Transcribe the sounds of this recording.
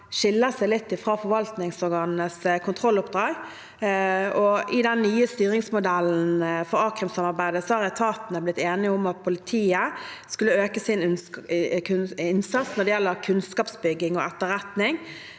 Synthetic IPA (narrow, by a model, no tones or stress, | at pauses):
ʃɪlːəsæɪlɪt̪ːɪfʁɑːfɔʋɑlt̪nɪŋsɔɾɡɑːnnəskʰʊnt̪ʰʁɔlʊpd̪ʁɑːɡ | ɔʔɪd̪ɛnːnyːəst̪yːɾɪŋsmʊd̪ælːn̩fɔɾɑːkɾʉmsɑmɑɾbæɪd̪əsɔhɑɾɛt̪ʰɑːt̪nəblɪt̪ːeːnɪʊmɑt̪̚pʰʊlɪt̪ʰiːəskʉlːəøːkəsɪn | kɪnsɑt̪snɔd̪ɛjɛlːəɾkʰʉnskɑːpsbʏɡːɪŋɔ̰ɛt̪ːəɾɛt̪nɪŋ